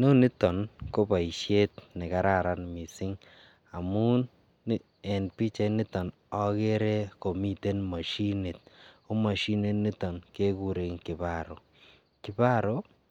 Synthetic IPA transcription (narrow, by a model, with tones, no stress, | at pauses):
no˦ni˦tɔ˨nko˦pa˨i˨ʃe˦tnɪ˨ka˦ɾa˨ɾa˦nmi˨sɪ˦ŋ | a˨mu˦ | ɛ˨npi˦t͡ʃa˦ni˦tɔ˨n | ɔ˦ke˦ɾe˦ko˨mi˦te˦nma˨ʃi˦ni˨t̚u˦ma˨ʃi˦ne˦tni˦tɔ˨nke˦ku˦ɾe˨ŋkɪ˨ba˦ɾo˨ | kɪ˨ba˦ɾo˦